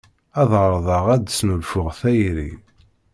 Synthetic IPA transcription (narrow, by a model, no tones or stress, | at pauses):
æðʁəɾˤðˤɑʁæd̪snulfʊʁθæjɾḭ